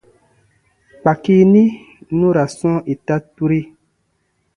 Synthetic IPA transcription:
k͡pa˨ki˦nĩ˦ | nũ˦ɾa˨sɔ̃˦ʔe˨ta˦tu˦ɾe˦

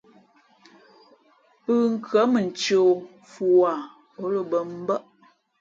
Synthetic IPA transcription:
ɨ˦ŋ̩˦kə˨˦mə˨n̩˨t͡ʃo˨ | fu˨wa˨ | o˦lə˦bə˨m̩˦bə˦ʔ

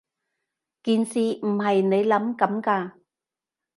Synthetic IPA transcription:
kiː˨˧nsiː˨˩m̩˨˩ɦɐ˨jne˨˧jlɐ˨˥mkɐ˨˥mkaː˧

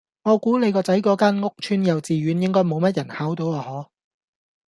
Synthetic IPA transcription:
ŋɔː˨˧kuː˨˥ne˨˧jkɔː˧t͡sɐ˨˥jkɔː˨˥kaː˥nŋʊ˥k̚t͡ʃʰyː˥njɐ˨wt͡siː˨ɥyː˨˧njɪ˥ŋkɔː˥jmo˨˧wmɐ˥t̚jɐ˨˩nhaː˨˥wt̪o˨˧waː˨˧hɔː˨˥

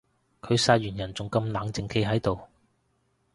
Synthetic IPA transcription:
kʰɵ˨˧ɥsaː˧t̚ɥyː˨˩njɐ˨˩nt͡sʊ˨ŋkɐ˧mlaː˨˧ŋt͡sɪ˨˧ŋkʰe˧jɦɐ˨˥jt̪o˨w

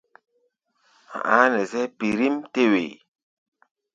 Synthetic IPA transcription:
a̰˨ʔa̰˨˦nɛ˨zɛ˦pi˨ɾi˦mte˦wḛ˨

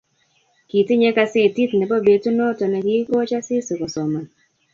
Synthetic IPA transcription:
ki˨ti˦ɲɛ˦ka˦sɪ˦˨ti˦tnɛ˨bɔ˦be˨tu˦no˦tɔ˨na˨ki˦kɔ˦t͡ʃa˦sɪ˦su˨kɔ˨sɔ˨ma˨n

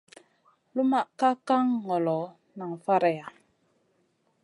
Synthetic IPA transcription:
lu˦ma˦˨ʔka˦ka˦ŋːɔ˨lɔ˨˦ | na˨ŋ˨fa˦ɾɛ˨ja˨

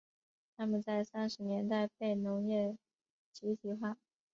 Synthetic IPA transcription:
t̪ʰa˥mə˨nt͡sa˥˩ɪsa˥nʂɻ̩˧˥njɛ˧˥nt̪a˥˧ɪpe˥˩ɪnʊ˧˥ŋjɛ˥˩ | t͡ɕi˧˥t̪ʰi˧˥xwa˥˩

